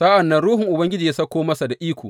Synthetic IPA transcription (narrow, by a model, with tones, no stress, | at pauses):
sa˦ʔɐ˨nːɐ˦nɽuː˦ɦɪ˨ŋʔʊ˨bɐ˦ŋɡʲɪ˦d͡ʒiː˨ja˦sɐ˦kʷːoː˦mɐ˦sa˨da˨ʔiː˦kʷo̰ː˨